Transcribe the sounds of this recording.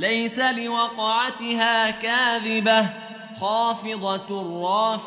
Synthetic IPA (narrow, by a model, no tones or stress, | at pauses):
lajsalɪwɑqɑʕat̪ɪhaːkaːðɪba | xɑːfɨd̪ˤɑrˤːɑːf